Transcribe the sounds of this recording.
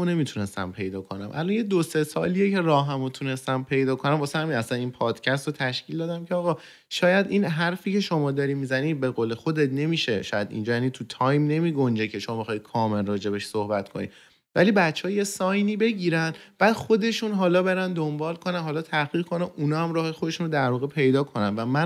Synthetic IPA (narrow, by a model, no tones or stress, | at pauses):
one̞mit̪ʰune̞st̪æ̰mpʰe̞jd̪ɒːkʰo̞næ̰mʔæ̰lɔnjed̪osesɒːlijecʰe̞ɾɒːɦæmot̪ʰune̞st̪æmpʰe̞jd̪ɒːkʰonæmbɒːsehæminæsæninpʰɒːd̪̥cʰæst̪ɾot̪ʰæʃcʰild̪ɒːd̪æmcʰeɒːɣɒː | ʃɒːjæd̪inɦæɾfiːcʰe̞ʃo̞mɒːd̪ɒːɾimiːzæniːbe̞ɣoːlexo̞d̪et̪ne̞miːʃeʃɒːjæd̪ḭnd͡ʒɒːjænit̪ʰut̪ʰɒːjmne̞miːɡo̞nd͡ʒecʰe̞ʃo̞mɒːmexɒːjkʰɒːme̞lrɒːd͡ʒe̞be̞ʃsohbæt̪kʰonḭ | væliːbæt͡ʃʰːehɒːje̞sɒːjniːbe̞ɟiːɾænd̪b̥æːd̪̥xo̞d̪e̞ʃunɦɒːlɒːbe̞ɾænd̪o̞mbɒːlkʰo̞nænɦɒːlɒːt̪ʰæɡiːɣkʰo̞næʔunɒːhæmɾɒːhexod̪e̞ʃunod̪æɾvɒːɣe̞pʰe̞jd̪ɒːkʰo̞nænvæmæn